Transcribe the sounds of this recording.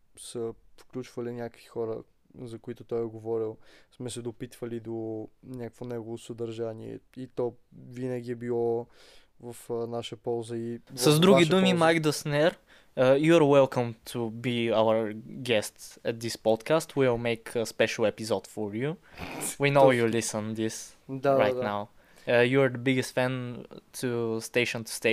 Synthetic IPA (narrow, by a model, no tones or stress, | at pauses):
səfklʲut͡ʃvɐlinʲakə̥kvixɔɾə | zɐkoit̪ʊt̪ɔjɛɡovɔɾilˠsmɛsɛd̪opit̪vɐlid̪onʲakə̥kvonɛɡovosɐd̪ɐɾʒaniɛ̰it̪ɔ | vinəɡʲiɛbilˠɔ | vɐfnaʃəpɔlˠzəisɐzd̪ɾuɡid̪umimajkd̪əsnɛɾ | əjuaɾwɛlˠkʰə̃mt̪ʰubiaʊə˞ɡɛst̪sɛt̪̚d̪ispɔd̪kʰast̪ʰwilˠmeɪkʰəspɛʃəlˠɛpizɔd̪fɔɹjuwinoʊjulisə̃nd̪is | d̪aɾaj̪naʊ | juəd̪əbiɡɛst̪fɛ̃nt̪ʰust̪eɪʃə̃nt̪ʰu̥st̪e